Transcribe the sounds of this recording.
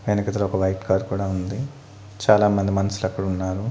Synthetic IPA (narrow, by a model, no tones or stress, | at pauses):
ʋenɐkɐt̪ɐloɔkɐʋɐjʈkaːɾkuːɽaːund̪i | t͡ʃaːlaːmɐnd̪imɐnɐsulɐkːɐɽunːaːɾu